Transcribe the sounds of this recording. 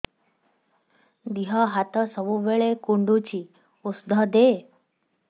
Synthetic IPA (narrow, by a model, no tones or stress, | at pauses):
d̪iɦaɦat̪əsəbuʋeɭekuɳɖut͡ɕiː | usd̪ʱəd̪e